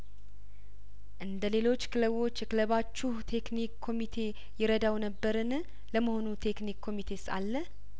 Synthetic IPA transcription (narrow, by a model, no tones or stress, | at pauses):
ʔɨnd̪əle̞lo̞t͡ʃːkʰɨləβo̞t͡ʃːkɨləβat͡ʃːuht̪ʰe̞knikʰːo̞mit̪ʰe̞ | jɪɾəd̪awnəbːəɾɨn | ləməho̞nut̪ʰe̞knikʰːo̞mit̪ʰe̞sa̰lːə